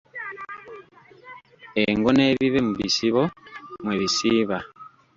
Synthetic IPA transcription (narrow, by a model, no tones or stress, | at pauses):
eŋɡoneβiβemuβḭsiβomweβisiːβa